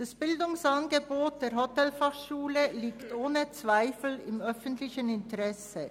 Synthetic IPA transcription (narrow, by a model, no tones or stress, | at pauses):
d̥asb̥ɪldʊŋsanɡəboːt̚d̥eːɐʁhotɛlfaχʃuːləliːktʔoːnət͡sv̥aɪfl̩ɪmœfəntlɪçənɪntəʁɛsə